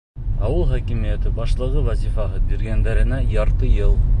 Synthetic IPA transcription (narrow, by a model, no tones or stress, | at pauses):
ɑwɤlˠχækimijæt̪ɘbɑʃlˠɤ̆ʁɤwæzʲifɑɦɤbiɾɡænd̪æɾɘ̆næjɑɾt̪ɤjɤlˠ